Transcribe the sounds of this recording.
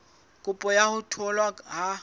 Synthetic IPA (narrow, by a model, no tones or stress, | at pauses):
kʼupʼɔjahʊtʰɔlwaɦa